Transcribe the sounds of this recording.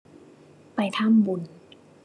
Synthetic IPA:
pa˨˧jt̪ʰa˥˨mbu˨˩n

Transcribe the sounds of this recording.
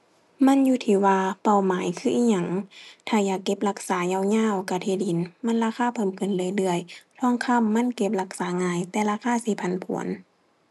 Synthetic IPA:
ma˧˥˨njuː˧˦t̪ʰiː˧˩waː˧pa˧˩˨wmaː˨˦jkʰɯː˧ʔiː˧˥˩ɲa˧˩˨ŋt̪ʰaː˧˩jaː˨˩kːe˧˦p̚la˧˩k̚saː˨˦ɲa˧˨wɲaː˧˥˨wka˧˩t̪ʰiː˧˩˨di˨˦nma˧˥˨nlaː˧˥kʰaː˧˥˨pʰɤ˧˥˨mkʰɯ˧˩˨nlɤː˧˨jlɯ˧˩əjt̪ʰɔː˧˥˨ŋkʰa˧˥˨mːa˧˥˨nke˧p̚la˧˩k̚saː˨˦ŋaː˧˩jt̪ɛː˧laː˧˥kʰaː˧˥˨siː˧˦pʰa˧˨npʰṵ˨˩˦ə˦n

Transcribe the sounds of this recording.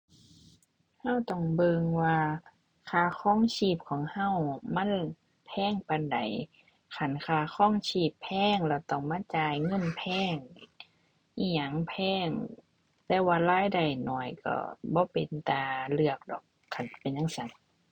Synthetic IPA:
ha˧˥˨wt̪ɔ˧˩ŋbɤ˧ŋwaː˧ | kʰaː˧˩kʰɔː˧˥˨ŋsiː˧˩p̚kʰɔː˨˦ŋha˧˩˨wma˧˥˨n | pʰɛː˧˥˨ŋpa˧˨nda̰˨j | kʰa˧˩nkʰaː˧˩kʰɔː˧˥˨ŋsiː˧˩pʰːɛː˧˥˩ŋlɛː˧˩wt̪ɔ˧˩ŋmaː˧˥˨t͡ɕaː˨˧jŋɤ˧˥˨npʰɛː˧˥˩ŋ | ʔiː˧˩ɲa˧˩ŋpʰɛː˧˥˩ŋ | t̪ɛː˧˩waː˧laː˧˥˨jda˨˩jnɔ̰ː˧˩jkɔ̰˧˩bɔː˧˦pe˨nt̪aː˨˧˩lɯ˧ək̚dɔ̰ː˨˩kʰːa˧˩npe˨nɲa˧˥˨ŋsa˧˦n

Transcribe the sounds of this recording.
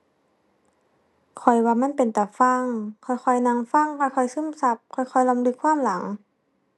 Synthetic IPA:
kʰɔ˨˩jwaː˧ma˧˥˨npe˨nt̪ɛː˨˩fa˧˥˩ŋkʰɔ˨˩jxʰɔ˧˩jna˧˥ŋfa˧˨ŋkʰɔ˧˩jkʰɔ˧˩jsɯ˧˥˨msa˧˦p̚kʰɔ˨˧˩jkʰɔ˧˩jla˧˦mlɯ˧˦kʰwaː˧˥˨mla˨˩˦ŋ

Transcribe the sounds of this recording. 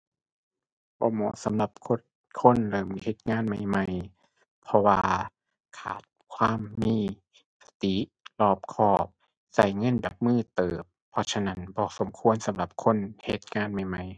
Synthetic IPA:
bɔ̰ː˧˦mɔ̰ː˧˦sa˨˦mla˧˦p̚kʰo˧ | kʰo˧˥˨nlɤː˨˩mhe˧˦t̪̚ŋaː˧˥˨nma˧˩jma˧j | pʰɔ˧waː˧ | kʰa̰ː˨˩t̪̚kʰwaː˧˥˨mːiː˧˥˨ | sḁ˧t̪i˨˦ | lɔː˧˩p̚kʰɔː˧˩p̚ | sa˧˩jŋɤ˧˥˨nda˨˩p̚mɯː˧˥˩t̪ɤː˨˩pʰːɔ˧sʰa˧na˧˥˨nbɔː˧˦so˨˩˦mkʰu˧˥ənsa˨˦mla˧˦p̚kʰo˧˥˨nhe˧˦t̪̚ŋaː˧˥˨nma˧˩jma˧˩j

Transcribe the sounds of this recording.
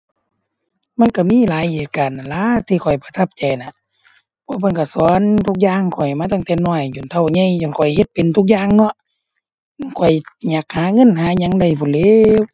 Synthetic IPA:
ma˧˥˨nka˧˩miː˧˥˨laː˨˦jheː˨˩t̪̚ka˨n˨laː˧˥˨t̪ʰiː˧kʰɔ˨˩jpa˧t̪ʰa˧p̚t͡ɕa˨˩jna˧˨ | pʰɔː˧˦˨pʰa˧˥˨nka˧˩sɔː˨˦nt̪ʰu˧k̚jaː˧˨ŋkʰɔ˨˩jmaː˧t̪ʰa˧˨ŋt̪ɛː˧nɔː˧˩jju˨nt̪ʰa˧˩wɲa˧˥˨jjɔ˧˨nkʰɔ˨˩jhe˧˦t̪̚pe˨nt̪ʰu˧k̚jaː˧˨ŋnɔ˧˦˨ʔ | kʰɔ˧˨˩jɲaː˧˩k̚haː˨˦ŋɤ˧˥˨nɦaː˨˦ɲa˧˥˦ŋda˧˩jpʰuː˧˨leː˧w

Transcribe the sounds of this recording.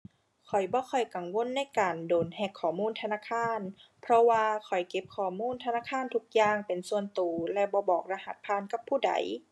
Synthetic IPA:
kʰɔ˨˩jbɔː˧˦kʰɔ˨˩jka˨˩ŋwo˧˥˨nːa˧˥˨jkaː˨˩ndoː˨nhɛː˧˩kʰːɔː˨˩muː˧˥˨nt̪ʰa˧naː˧˥˨kʰaː˧˥˨npʰɾɔ˧waː˧kʰɔ˨˩jke˧p̚kʰɔː˨˩muː˧˥˨nt̪ʰa˧naː˧˥˨kʰaː˧˥˨nt̪ʰu˧k̚jaː˧˨ŋpe˨˩nsu˧ənt̪uː˨˩lɛ˧˥wbɔː˧˦bɔː˨˩k̚ɾa˧ha˧˦t̪̚pʰaː˧˥˨nka˧˦pʰːuː˧˩da̰˨˩˦j

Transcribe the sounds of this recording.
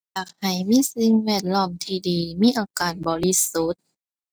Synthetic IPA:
jaː˨˩k̚ha˨˩jmiː˧˥˨si˧˦ŋwɛː˧˩t̪̚lɔː˧˥˩mt̪ʰiː˧˩diː˨miː˧˥˨ʔaː˧˩kaː˨˩nbɔː˨li˧su˧˦t̪̚

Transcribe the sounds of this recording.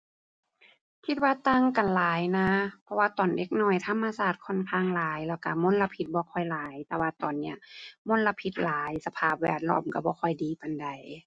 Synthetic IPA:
kʰi˧t̪̚waː˧t̪a˧˨ŋka˨˩nlaː˨˦jna˧˥pʰɔ˧waː˧t̪ɔː˨˩nde˧˩k̚nɔː˧˩jt̪ʰa˧˥˨mːa˧saː˧˩t̪̚kʰɔ˧˥˨nkʰaː˧˩ŋlaː˨˦jlɛː˧˩wka˧˩mo˧˥˨nla˧pʰi˧t̪̚bɔː˧˦kʰɔ˧˩jlaː˨˦jt̪ɛː˧waː˧t̪ɔː˨nːi˧˩ɐmo˧˥˨nla˧pʰi˧˦t̪̚laː˨˦jsa˧pʰaː˧˩p̚wɛ̰ː˧˩t̪̚lɔ̰ː˧˩mka˧˩bɔː˧˦kʰɔ˧˩jdiː˨pa˨nda˨˩j

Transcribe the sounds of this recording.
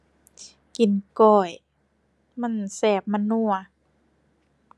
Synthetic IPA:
ki˨˩˦nkɔː˧˩j | ma˧˥˨nsɛː˧˩p̚ma˧˥˨nːu˧˩ɐ

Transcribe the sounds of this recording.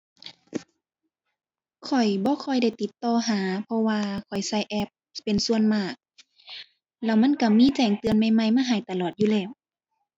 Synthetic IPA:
kʰɔ˨˩jbɔː˧˦kʰɔ˧˩jda˧˩jt̪i˨˦t̪ːɔː˧ɦaː˨˦pʰɔ˧waː˧kʰɔ˨˩jsa˧˩˨jʔɛ˧p̚pe˨nsu˧ənmaː˧˩k̚ | lɛː˧˩wma˧˥˨nka˧˩miː˧˥˨t͡ɕɛː˧˩ŋt̪ɯ˧ənma˧˩jma˧˩jmaː˧ɦa˨˩˦jt̪a˧lɔː˨˩t̪̚juː˧˨lɛː˧˩w

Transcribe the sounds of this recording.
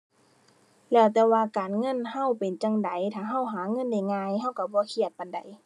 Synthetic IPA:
lɛː˧˩wt̪ɛː˧waː˧kaː˨nŋɤ˧˥˨nha˧˥˨wpe˨nt͡ɕa˧˨ŋda˨˦jt̪ʰaː˧˩ɦa˧˥˩wɦaː˨˦ŋɤ˧˥˨nda˧˩jŋaː˧˨jɦa˧˥˨wka˧˩bɔː˧˦kʰi˧˩ət̪̚pa˨nda˨˦j

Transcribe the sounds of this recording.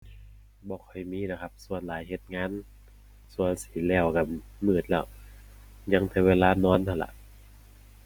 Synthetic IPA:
bɔː˧˦kʰɔ˧˩jmiː˧˥˨na˧˩kʰa˦˧˥p̚su˧˩ənlaː˨˦jhe˧˦t̪̚ŋaː˧˥˨n | su˧˩ənsi̥ː˨˦lɛː˧˩wka˧˩mɯː˨˩t̪̚lɛː˧˩w | ɲa˧˥ŋt̪ʰɛː˧˩weː˧laː˧˥nɔː˧˥˩nt̪ʰa˧˩la̰˧˨ʔ

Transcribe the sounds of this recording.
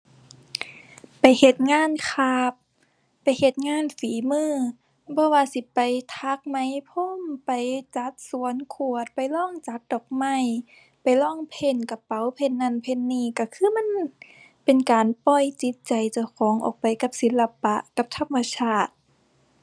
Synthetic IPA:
pa˨˩jhe˧˩t̪̚ŋaː˧˥˨nkʰaː˧˩pː | a˨jhe˧t̪̚ŋaː˧˥˨nfiː˨˦mɯː˧˥˨ | bɔː˧˨waː˧˨si˧˦pa˨jt̪ʰa˧˦k̚ma˧˥jpʰo˧˥˨mpa˨jt͡ɕa˧˦t̪̚su˨˦ənkʰu˧˩ət̪̚pa˨˩jlɔː˧˥˩ŋt͡ɕa˧˦k̚dɔː˨˩k̚ma˧˥˩j | pa˨jlɔː˧˥˩ŋpʰe˧˨nka˧pːa˨˦wpʰe˧˨nːa˧˥˨npʰe˧˨nːiː˧˩ka˧˩kʰɯː˧˥˨ma˧˥˨n | pe˨nkaː˨npɔ˧˩jt͡ɕi˧˦t̪̚t͡ɕa˨jt͡ɕa˧wkʰɔː˨˦ŋʔɔ̰ː˨˩k̚pa˨˩jka˧˦p̚si˨˦nla˧pa˧ʔka˧˦p̚t̪ʰa˧˥˧mːa˧sʰaː˧˩t̪̚

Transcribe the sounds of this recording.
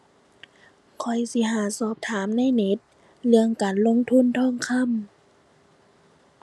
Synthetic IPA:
kʰɔ˧˩jsi˧˦ɦaː˨˩˦sɔː˧˩p̚t̪ʰaː˨˦mna˧˥˨jne˧˦˥t̪̚ | lɯ˧əŋkaː˨nlo˧˥˨ŋt̪ʰu˧˥˨nt̪ʰɔː˧˥˩ŋkʰa˧˥˨m

